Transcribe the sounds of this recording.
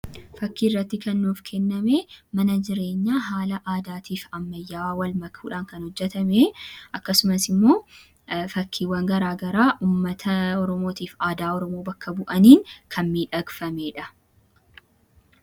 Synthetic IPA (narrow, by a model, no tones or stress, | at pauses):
fɐkːiːrːɐt̪ːɪkɐnːuːfkʰɛnːɐmeːmɐnɐd͡ʒɪɾe̞ːɲːaːɦaːlɐʔaːd̪aːt̪ʰiːfɐmːɐjːaːwaːwɐlmɐkʰuːᶑaːŋkɐnhɔd͡ʒːɛt̪ɐmeʔɐkːɐsʊmɐsɪmːo̞ː | fɐkʰːiːwɐŋɡɐɾaːɡɐɾaːʔuːmːɐt̪ʰɐɔɾɔmo̞ːt̪iːfaːd̪aːɔɾɔmo̞ːbɐkːɐbʊʔɐniːŋkʰɐnmiːᶑɐɡfɐmeːᶑɐ